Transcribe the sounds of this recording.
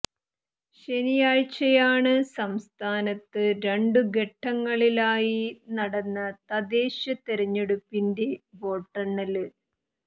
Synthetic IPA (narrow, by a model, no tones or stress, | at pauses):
ɕe̞nijaːɻt͡ɕːɐjaːɳɨsɐmst̪ʰaːnɐt̪ːɨɾe̞ɳɖuɡe̞ʈʰːɐŋːɐɭilaːjinɐɽɐnːɐt̪ɐd̪eːɕɐt̪eɾɐɲːe̞ɽupːindeʋo̞ːʈːɐɳːɐlɨ